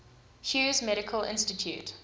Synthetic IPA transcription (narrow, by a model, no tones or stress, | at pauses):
hjuːzmɛɾɪkʰəlʔɪ̰̃nstɪtʰjṵːt